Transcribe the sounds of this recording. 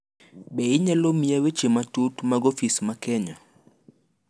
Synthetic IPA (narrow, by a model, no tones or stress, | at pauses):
bɛɪɲɛlomijawet͡ʃematutmaɡofismakɛɲɔ